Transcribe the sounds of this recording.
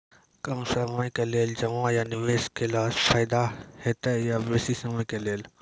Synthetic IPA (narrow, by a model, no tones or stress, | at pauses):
kɐmsɐməɪ̃kɐleːld͡ʑɐʋãjanɪʋeːskʰelaːsfaːɪd̪aheːt̪əjabeːsisɐmə̃kɐleːl